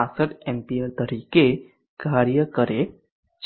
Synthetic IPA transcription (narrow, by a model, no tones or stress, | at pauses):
ãsəʈɛ̃mpieɾt̪əɾiːke | ɡʱaːɾjəkəɾe | t͡ʃ